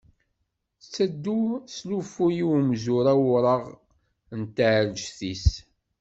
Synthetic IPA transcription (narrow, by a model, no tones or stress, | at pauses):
t͡sːæd̪ːuslufujiwmzʊɾæwɾˤəʁ | nt̪ʕɾd͡ʒθis